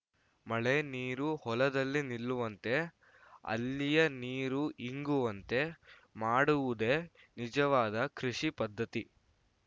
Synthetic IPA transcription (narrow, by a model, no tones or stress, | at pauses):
mɐɭe̞niːɾuhɔlɐd̪ɐlːinilːuʋɐnt̪e̞ | ɐ̰lːijɐniːɾuiŋɡuʋɐnt̪e̞ | maːɽuʋud̪e̞ | nid͡ʒɐʋaːd̪ɐkɾiʂipɐd̪ʱːɐt̪i